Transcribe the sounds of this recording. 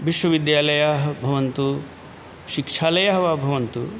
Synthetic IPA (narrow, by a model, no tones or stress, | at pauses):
ʋiʃʋɐʋid̪jaːlɐjaɦbʱɐʋɐnt̪u | ʃikʂaːlɐjaɦɐʋaːbʱɐʋɐnt̪u